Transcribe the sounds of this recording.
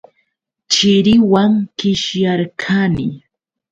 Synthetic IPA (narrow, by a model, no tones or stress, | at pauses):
t͡ʃɪɾɪwaŋkɪʃjaɾkʰanɪ